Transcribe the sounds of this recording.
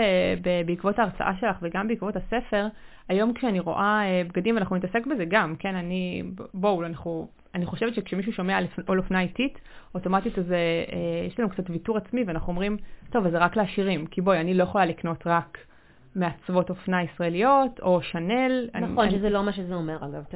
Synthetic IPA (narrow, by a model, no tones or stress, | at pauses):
ebebeikvo̞taːʁt͡sa̰ʔaʃe̞laχveɡambeikvo̞tasefe̞ʁ | ajo̞mkʃeaniʁo̞̰ʔaebɡadimveanaχnunitasekbe̞zeɡamke̞nanibowlanaχnu | aniχo̞ʃe̞vetʃekʃemiʃ̬uʃo̞mealfolofnaitit | oto̞matit̪ezeejeʃlaenukt͡satvituʁat͡smiveanaχnuomʁimto̞vazeʁakleaʃiʁimkibojanilo̞jeχo̞lalikno̞tʁak | meat͡svo̞to̞fnaisʁaelijo̞tʰo̞ʃane̞la̰nionʃezɛlomaʃezeomeʁaɡav